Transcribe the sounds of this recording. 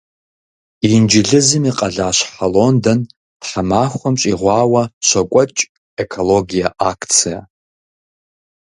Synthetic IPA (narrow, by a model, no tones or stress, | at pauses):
ind͡ʒɪɮɨzɨmiqʼɐɮaːʃʷħaloːndɐn | d̥ħamaːχʷɔmɕʼiʁʷɑːwɐʃʷɐkʷʼɔt͡ʃʼ | ekʰoloɡijaʔakʰt͡sʰija̰